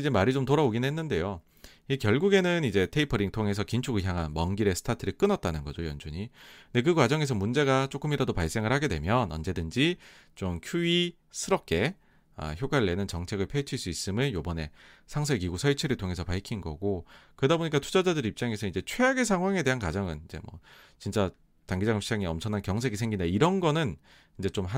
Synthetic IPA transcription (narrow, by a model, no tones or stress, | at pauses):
id͡ʑe̞maɾit͡ɕomtoɾaboɡinɦenːɯnde̞jo | ikjʌɭɡuɡe̞nɯnid͡ʑe̞tʰe̞ipʰʌɾiŋtʰoŋe̞s̬ʰʌkint͡ɕʰuɡɯɭçjaŋɦanmʌŋɡiɾe̞sʰɯ̥tʰatʰɯɾik͈ɯnʌt̚t͈anɯnɡʌd͡ʑojʌ̰nd͡ʑuɲide̞kɯkwad͡ʑʌŋe̞s̬ʰʌmund͡ʑe̞ɡat͡ɕ͈ok͈ɯmiɾadopaɭs͈eŋɯɭhaɡe̞dwe̞̰mjʌnʌ̰nd͡ʑe̞dɯnd͡ʑi | t͡ɕomkʰui | sʰɯɾʌp̚k͈e̞ | ʌ̰çjoɡwaɾɯɭːe̞nɯnt͡ɕʌŋt͡ɕʰe̞ɡɯɭpʰet͡ɕʰiɭs͈uis͈ɯmɯɭjobʌne̞ | sʰaŋs̬ʰeɡiɡusʰʌɭt͡ɕʰeɾɯɭtʰoŋe̞sʰʌpaɭkʰinɡʌ̰ɡokɯɾʌdaboɲik͈atʰud͡ʑad͡ʑadɯɾeip̚t͡ɕ͈aŋe̞sʰʌid͡ʑe̞t͡ɕʰweaɡes̬ʰaŋɦwaŋe̞de̞ɦankwad͡ʑʌŋɯnid͡ʑḛmwʌ̰ | t͡ɕint͡ɕ͈a | taŋɡid͡ʑaŋmɕʰid͡ʑaŋiʌmt͡ɕʰʌnankjʌŋs̬ʰe̞ɡisʰeŋɡindaiɾʌnɡʌnɯn | ind͡ʑe̞t͡ɕomɦa